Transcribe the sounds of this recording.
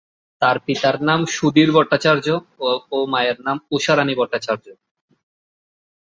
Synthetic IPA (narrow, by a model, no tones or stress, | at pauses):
t̪aɾpit̪aɾnamʃud̪iɾbʱɔʈt̪ːat͡ɕaɾd͡ʑoomajeɾnamuʃaɾanibʱɔʈ̪ːat͡ɕaɾd͡ʑo